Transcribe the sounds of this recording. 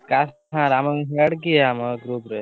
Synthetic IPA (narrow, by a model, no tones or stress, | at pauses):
kasʰãɾaməɦeɽkiaməɡɾupɾe